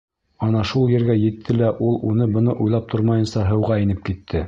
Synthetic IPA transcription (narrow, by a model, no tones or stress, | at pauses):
ɒnɑʃulˠjɘ̆ɾɡæjɘ̆t̪ʰːɘlæʔulˠunɤbɤ̆nɤʔujlˠɑp̚t̪ʰoɾmɑjɤ̆nsɑɦɤ̆wʁɑĭnɘp̚kit̪ʰːɘ